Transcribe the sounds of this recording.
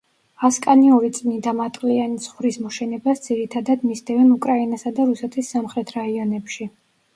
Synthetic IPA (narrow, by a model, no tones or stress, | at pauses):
askʼaniɔɾit̪sʼnid̪amat̪ʼlianisχwɾismɔʃɛnɛbasd̪ziɾit̪ʰad̪ad̪misd̪ɛvɛnukʼɾainasad̪aɾusɛt̪ʰisːamχɾɛt̪ʰɾaiɔnɛpʃi